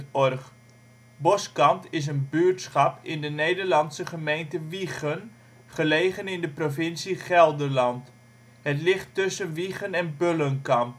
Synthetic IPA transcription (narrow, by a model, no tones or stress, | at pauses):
ɔrχ | bɔskɑmtɪs̬ənbyəɹtsχɑpɪndənejdəɹlɑntsəχəmejntəʋiχən | χəleːχənɪndəprofɪnsiχɛlˠdərlɑnt | hətlɪχtːʏsənʋiχənɛnbølənkɑmp